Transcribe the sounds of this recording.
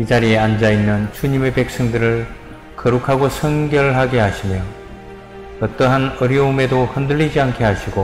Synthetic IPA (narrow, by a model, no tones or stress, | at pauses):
id͡ʑaɾieand͡ʑainːɯnt͡ɕuɲime̞pe̞k̚s͈ʌŋdɯɾɯɭ | kʌɾukʰaɡosʰʌŋɡjʌɭɦaɡeɦaɕʰimjʌ | ʌt͈ʌɦanʌɾjʌume̞dohʌndɯɭːid͡ʑiankʰe̞ɦaɕʰiɡo